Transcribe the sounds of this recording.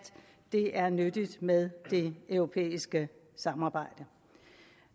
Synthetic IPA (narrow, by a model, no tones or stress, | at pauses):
d̥ | d̥e̝ʔæɐnød̥id̥með̞ˠd̥e̝œʊʁo̝pʰḛːisɡ̥ə | sɑ̈mɑ̈ːb̥ɑ̈ɪ̰d̥ə